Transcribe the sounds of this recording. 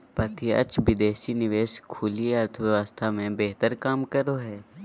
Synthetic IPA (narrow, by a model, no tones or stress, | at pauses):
pɐt̪iɐ̰t͡ʃʋɪd̪eːʃinɪʋeːʃkʰuːlieɐɾt̪ʰəʋjəʋəst̪ʰamẽbeɦt̪əɾkaːmkəɾoɦɛː